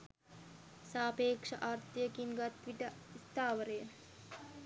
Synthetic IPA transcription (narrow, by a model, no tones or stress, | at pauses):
saːpeːkʂɐʔaːɾt̪ijəkiŋɡat̪ʋiʈəist̪aːʋəɾəjə